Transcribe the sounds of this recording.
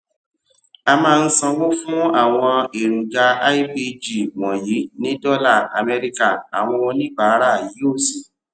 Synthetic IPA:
a˧mãː˦˧n̩˦sɔ̃˧wo˦fũ˦a˦˨w̃ɔ̃˧e˨ɾũ˨ɡa˧a˦i˦bi˧d͡ʒi˦˨wɔ̃˨ji˨˦nĩ˦dɔ˦la˦˨a˨mɛ˧ɾi˧ka˦˨a̰˨w̃ɔ̃˧wɔ̃˧nĩ˦˨ɡ͡ba˨˦ɾa˦˨ji˨˦o˦˨si˨

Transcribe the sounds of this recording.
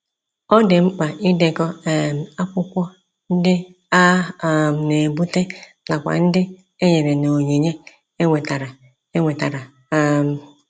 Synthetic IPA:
ɔ˦dɪ˨ŋ͡m̩˦k͡pa˨ɪ˦de˦˨kɔ˦˨m˨a˦kʷʊ˦kʷɔ˦ | n̩˦dɪ˦ | a˦˨m˨ne˨bu˦te˦ | na˨kʷa̰˨n̩˦dɪ˦ | e˦ɲe˨ɾe˨no˨ɲi˨ɲe˦ | e˦ŋʷe˨ta˨ɾa˨ | e˦ŋʷe˨ta˨ɾa˨˦ | m̩˨

